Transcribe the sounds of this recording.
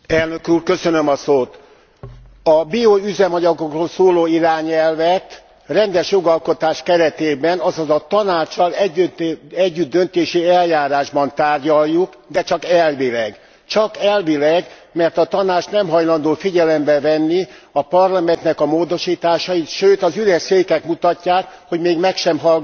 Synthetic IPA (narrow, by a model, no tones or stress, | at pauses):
ɛlnø̞kuːrkø̞sø̞nø̞mɒsoːt̪ | ɒbioyzɛmɒɟɒɡo̞kroːlsoːloːiɾaːɲɛlvɛt̪ | rɛnd̪ɛʃjo̞ɡɒlko̞t̪aːʃkɛɾɛt̪eːbɛnɒzɒzɒt̪ɒnaːt͡ʃːɒlɛ | ɛɟːyd̪̚d̪ø̞nt̪eːʃiɛljaːɾaːʒbɒnt̪aːrɟɒjːuk | d̪ɛt͡ʃɒkɛlvilɛɡ | t͡ʃɒkɛlvilɛɡ | mɛrt̪ɒt̪ɒnaːt͡ʃnɛmɦɒjlɒnd̪oːfiɟɛlɛmbɛvɛnːiɒpɒrlɒmɛnt̪nɛkɒmoːd̪o̞ʃiːt̪aːʃɒit̪ʃøːt̪ɒzylɛʃseːkɛkmut̪ɒcːaːkho̞ɟmeːɡmɛkʃɛmɦɒl